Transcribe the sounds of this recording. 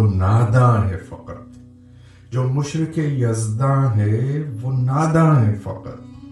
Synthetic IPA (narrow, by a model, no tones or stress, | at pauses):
naːd̪ãːɦɛfɐ̰qɾt̪ | d͡ʒoːmʊʃɾɪkejɐzd̪ãːɦɛʋoːnaːd̪ãːɦɛfɐ̰qt̪